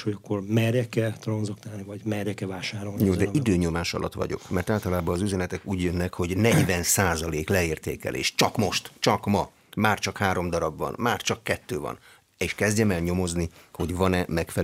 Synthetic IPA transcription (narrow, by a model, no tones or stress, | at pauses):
hoɒkːormɛrɛkɛt̪rɒnzɒkt̪aːlnivɒɟmɛɾɛkɛvaːʃaːɾoljoːd̪ɛid̪øːɲo̞maːʃɒ̰lʔɒ̰t̪ʋɒ̰ɟo̞̰kmɛrt̪aːlt̪ɒlaːbɒːzyzɛnɛt̪ɛkuːɟjønːɛkho̞ɟnɛɟvɛnsaːzɒleːklɛeːrt̪ḛːkɛ̰lḛːʃt͡ʃɒkmo̞ʃt̪t͡ʃɒkmɒ | maːrt͡ʃɒkhaːɾomd̪ɒɾɒbʋɒ̰nmaːrt͡ʃɒkːɛt̪ːøːvɒ̰n | eːʃkɛzdɟɛmɛlɲo̞mo̞zniho̞ɟvɒnɛmɛkfɛ